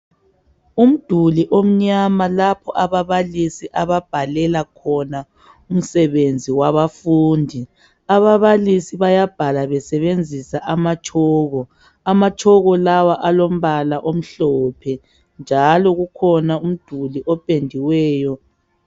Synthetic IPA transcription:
um̩d̥ʱuliʔom̩ɲamalapʰɔʔaβaβalisiʔaβab̥ʱalɛlakʰɔna | um̩sɛβend͡zʱiwaβafuːndʱi | aβaβalisiβajab̥ʱalaβɛsɛβend͡zʱisaʔamat͡ʃʼʰɔːɣɔ | amat͡ʃʼɔɣɔlawaʔalom̩βalaʔom̩ɬɔpʰɛ | nd͡ʒʱalɔɣukʰɔnaum̩d̥ʱuliʔɔpʼendʱiwɛːjɔ

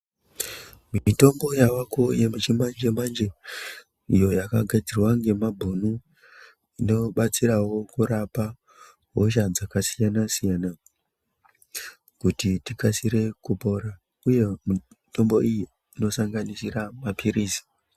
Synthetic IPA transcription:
miito̞mbo̞jawakojemit͡ʃimand͡ʒemand͡ʒe | ḭjo̞jakaɡʱad͡zirwaŋɡe̞mabʱonu | ino̞ɓat͡sirawo̞kuɾapa | ɦoʃ̬ad͡zakasijanasijana | kutitikasiɾe̞kupo̞ɾa | uje̞mu | to̞mbo̞ijiː | no̞saŋɡanisiramapʰiɾisi̥

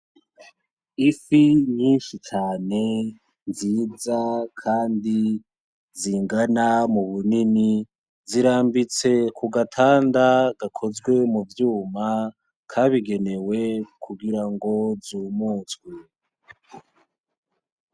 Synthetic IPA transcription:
ifiɲiːnʃit͡ʃaːne̞ | nziːzakʰaːndi | ziŋɡanamuβunini | ziɾaːmbit͡se̞kʰuɡatʰaːndaɡakʰo̞zɡwe̞muvjuːma | kʰaβiɡe̞ne̞we̞kʰuɡiɾaŋɡo̞zuːmuːtwi

